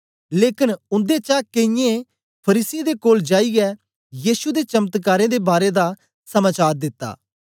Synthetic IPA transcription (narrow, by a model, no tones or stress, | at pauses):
leːkɪnʊnd̪et͡ʃakeɪ̃jẽ | pʰɐɾiːsid̪ekoːld͡ʒaːiɡɛ | jiːsud̪et͡ʃɐmət̪kaːɾẽd̪ebaːɾed̪a | sɐmaːt͡ʃaːɾd̪ɪt̪ːa̰ː